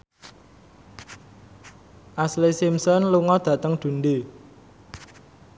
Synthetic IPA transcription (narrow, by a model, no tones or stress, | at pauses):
ʔaslisimsɔnluŋɔd̪̥ä̤t̪əŋɖ̪̥ṳnɖe